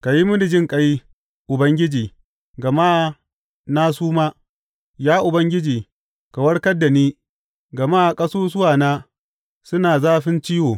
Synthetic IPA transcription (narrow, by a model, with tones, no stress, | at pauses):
ka˨ji˦mʊ˦dɪ˨d͡ʒɪ˦ŋkʼɐ˦ji˦ | ʔʊ˨bɐ˦ŋɡʲɪ˦d͡ʒiː˨ | ɡɐ˨maː˦ | naː˦s̬uː˦maː˦ | jaː˦ʔʊ˨bɐ˦ŋɡʲɪ˦d͡ʒiː˨ | ka˨wɐ˦ɽkɐ˦dːa˨niː˦ | ɡɐ˨maː˦˨kʼɐ˦soː˦s̬ʊ˦waː˨naː˦ | sʊ˦naː˨zaː˦ɸɪ˦nt͡ʃiː˦woː˨